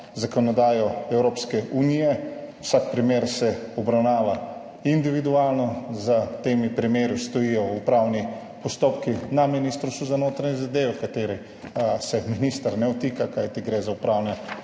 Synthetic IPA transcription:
zakɔnɔd̪aːjɔɛwɾoːpskɛʔunijɛwsak̚pɾimeːɾsɛɔbɾawnaːʋa | ind̪iʋid̪uaːlnɔzat̪eːmipɾimeːɾjust̪ɔjijɔupɾawni | pɔst̪oːpkinaminist̪ɾst̪uzanoːt̪ɾanɲɛzad̪eːʋɛkat̪eːɾi | sɛminist̪əɾnɛɔt̪iːkakajt̪iɡɾeːzaupɾawnɛ

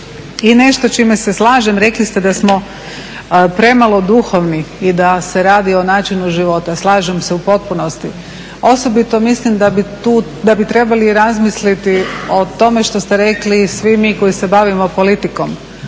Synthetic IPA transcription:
ine̞ʃt̪ot͡ʃimese̞slˠaːʒe̞mɾe̞klist̪e̞d̪asmo̞ | pɾe̞malo̞d̪uxo̞ʋniid̪ase̞ɾaːd̪io̞naːt͡ʃinuʒiʋo̞t̪aslˠaːʒemse̞upo̞t̪̚puno̞st̪i | o̞so̞bit̪o̞mislimd̪abit̪uː | d̪abit̪ɾe̞baliɾazmislit̪io̞t̪o̞me̞ʃt̪o̞st̪e̞ɾe̞klisʋimiːko̞jise̞baʋimo̞po̞lit̪iko̞m

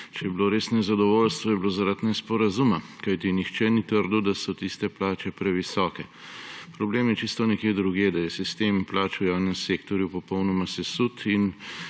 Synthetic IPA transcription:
t͡ʃɛjɛbiloɾeːsnɛzad̪ɔʋoːlst̪ʋɔjɛbloːzaɾat̪nɛspɔɾazumakajt̪inixt͡ʃɛnit̪əɾd̪ud̪asɔt̪ist̪ɛplaːt͡ʃɛpɾɛʋisɔːkɛpɾɔbleːmjɛt͡ʃist̪ɔnɛkjed̪ɾuɡeːd̪ajɛsist̪eːmplaːt͡ʃujawnɛmseːkt̪ɔɾjupɔpɔwnɔmasɛsut̪ʰin

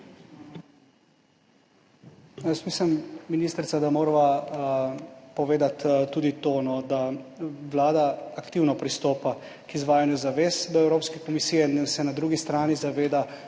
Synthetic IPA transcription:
nəsmiːslɛmminiːst̪ɾsad̪amoːɾʋa | pɔʋeːd̪at̪ːuːd̪it̪oːnɔd̪aʋlaːd̪aːkt̪iwnɔpɾist̪oːpa | kizʋaːjanjuzaʋeːsd̪ɔɛwɾoːpskɛkɔmisiːjɛnsɛnad̪ɾuːɡist̪ɾaːnizaʋeːd̪a

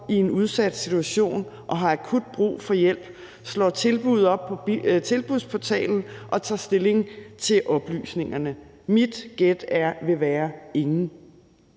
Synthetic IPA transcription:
ie̝nuð̞ˠsæd̥sit͡sʰuæɕo̝̰ːnʔɒ̽ɦɑ̈ækʰud̥̚b̥ʁṵːfɒ̽jel̰b̥ | slɒ̰ːt͡sʰe̝lb̥uð̞̰ˠɒ̽b̥̚pʰɒ̽t͡sʰe̝lb̥uðˠpʰɒ̽t͡sʰɛ̰ːln̩ʔɒ̽t͡sʰɑ̰̈ːsd̥e̝le̝ŋt͡sʰe̝lʔɒ̽b̥ly̰ːsne̝ŋɐnə | mid̥ɡ̥ed̥æɐʋe̝ʋæːɐe̝ŋn̩

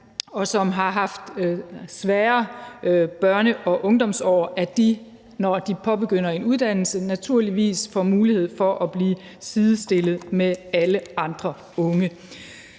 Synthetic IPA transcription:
ɒ̽sɒ̽mɦɑ̈ɦɑ̈fd̥sʋæːɐ | b̥ɶɐnəʔɒ̽ʔɔ̽ŋd̥ɒ̽msɒ̰ːʔæd̥i | nɒd̥ipʰɒ̽b̥e̝ɡ̥øn̰ɐe̝nuð̞ˠd̥æn̰l̩sənæt͡sʰuɐ̰liʋḭːsfɒmuːlihe̝ð̞̰ˠfɒ̽ʔæb̥liː | sið̞ˠəsd̥e̝lð̞̩ˠmeæləɑ̈nd̥ʁɐ | ɔ̽ŋə

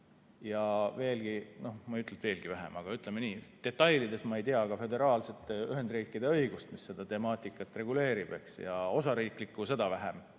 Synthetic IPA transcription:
jɑve̞ːlɡ̥ino̞hmɑyt̪let̪ve̞ːlɡ̥ivæɦḛmɑɡ̥ɑyt̪ːˑle̞me̞niːt̪e̞t̪ːˑɑjlid̪e̞smɑe̞jt̪iɑɡ̥ɑfø̞d̪e̞ɾɑːlse̞t̪ːˑeyɦe̞nd̪riːkːˑid̪̥e̞ɤ̞jɡ̥ust̪misːe̞d̪̥ɑt̪e̞mɑːt̪ːˑikːˑɑt̪ːˑre̞ɡule̞ːɾib̥e̞ksjɑ̰o̞sɑɾiːkˑlikːuse̞d̪̥ɑvæɦem

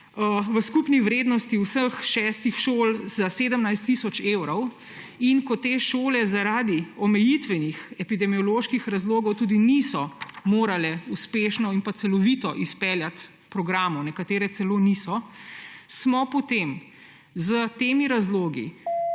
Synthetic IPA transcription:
ʋəskupniʋɾeːd̪nɔst̪iwsəxʃɛst̪ixʃoːlzaseːd̪əmnajst̪ːisɔt͡ʃeːwɾɔw | inkɔt̪eːʃoːlɛzaɾaːd̪iɔmɛjit̪ʋɛnixɛpid̪ɛmiɔloːʃkixɾazloːɡɔwt̪uːd̪inisɔmoːɾalɛuspeːʃnɔinpat̪ɛlɔʋit̪ɔʔispɛljat̪ | pɾɔɡɾaːmɔnɛkat̪eːɾɛt̪sɛloːnisɔ | smɔpɔt̪em | zət̪eːmiɾazloːɡḭ

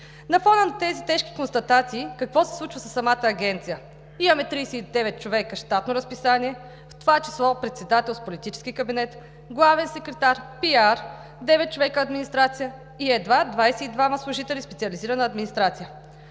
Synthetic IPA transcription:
nɐfɔnənɐt̪ɛzit̪ɛʃki̥konst̪ɐt̪at̪siːkɐkvɔsɛ̥slˠut͡ʃvəsɐsːɐmat̪əːɡʲɛnt̪sijə | imɐmɛt̪ɾijsɛid̪ɛvɛt̪̚t͡ʃovɛkəʃt̪at̪noɾɐspisaniɛ | ft̪ovat͡ʃɛ̥slˠɔpɾɛt̪sɛd̪at̪ɛlˠspolit̪it͡ʃɛ̥sk̟ikɐbinɛt̪ | ɡlˠavɛnsɛkɾɛt̪aɾpiaɾ | d̪ɛvɛt̪̚t͡ʃovɛkəːd̪minist̪ɾat̪sijə | iɛd̪vad̪vajsɛid̪vaməslˠʊʒit̪ɛlʲispɛt̪iɐliziɾɐnəːd̪minist̪ɾat̪sijə

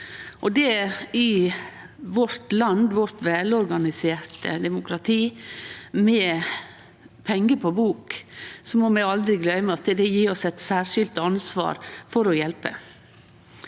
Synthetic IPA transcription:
ʔɔd̪ɛɪ | ʋɔɾt̪lɑnd̪ʋɔɾt̪ʋɛlɔɾɡɑnɪseːɾt̪əd̪ɛmʊkʰɾɑt̪ʰiː | mɛ | pʰɛŋːəpʰɔbuːksɔmɔmɛɪɑld̪ɾɪɡlœʏməɑt̪əd̪ɛjiːɔsɛt̪sæːʂɪlt̪ɑnsʋɑ̰ːɾfɔɾɔjɛlpə̰

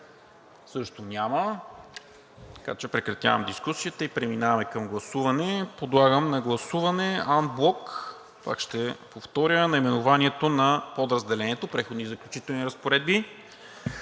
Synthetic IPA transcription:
sɤʃt̪onʲamə | t̪ɐka̰t͡ʃɛpɾɛkɾɐt̪ʲja̰vɐmd̪iskusiət̪ɐipɾɛminavɐmɛkɐmɡlˠɐsuvɐnɛpod̪lˠaɡəmnɐɡlˠɐsuvɐnɛanblˠɔk | pa̰kʃt̪ɛpoft̪ɔɾʲənɐimɛnʊvaniɛt̪onɐpod̪ɾɐzd̪ɛlɛnɛt̪opɾɛxod̪nizɐklʲut͡ʃit̪ɛlˠniɾɐspoɾɛd̪̚bi

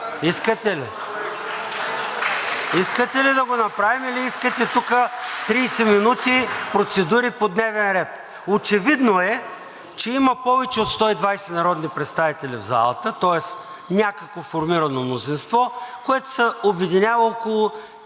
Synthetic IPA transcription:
iskət̪ɛli | iskət̪ɛlid̪ɐɡonɐpɾavimiliiskət̪ɛt̪ukət̪ɾijsɛminut̪ipɾot̪sɛd̪uɾipod̪nɛvɛnɾɛt̪ | ot͡ʃɛvid̪noɛ | t͡ʃɛimɐpɔvɛt͡ʃɛot̪st̪ɔid̪vajsɛnɐɾɔd̪nipɾɛt̪st̪avit̪ɛlivza̰lˠɐ̰t̪ət̪ɔɛs | nʲakəkvofoɾmiɾɐnomnozinst̪vɔkoɛt̪o̥sɛobɛd̪inʲavɐɔkolˠʊ

